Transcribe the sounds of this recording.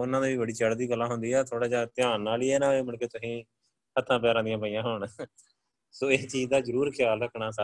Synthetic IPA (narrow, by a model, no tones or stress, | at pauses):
ʊnãːd̪iːʋiːbəɽiːt͡ʃəɽd̪iːɡəlːãːɦʊnd̪iːɛːt̪ʰoːɽaːd͡ʒaːt̪ɪjaːnːaːliːɛːnãːeːməɳkeːt̪ʊsĩː | ət̪ʰːãːpɛːɾãːd̪ijãːpəiːjãːɦʊɳ | soːeːt͡ʃiːzd̪aːzəɾuːɾkʰjaːlɾəkʰɳaːsa